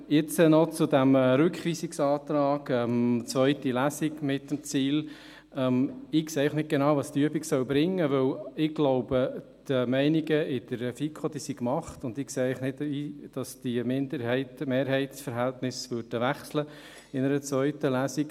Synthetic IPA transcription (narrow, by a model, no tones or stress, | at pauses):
jɪt͡sənɔt͡sʊdæmɾʉkχʋiːsiksɑːt̪ɾɑːɡ̥ɛmt͡sʋœʏtilæsiɡmɪt̚d̥əmt͡siːl | ɛmɪkseːɛɪlχnɪt̚ɡ̥enɑʊʋɑːst̪yəbiksœwbɾɪŋːəʋɵwɪɡ̥lɔʊbəd̥əmɛɪniɡəɪd̥əɾɛfikʰod̥isikmɑχtʊndɪkseːɛɪχnɪtid̥ɑsd̥imɪndəɾhɛɪtmeːɾɦɛɪtsfəɾɦæltnɪsʋøɾd̥əʋæχslə | ɪnəɾət͡svœʏtəlæːsik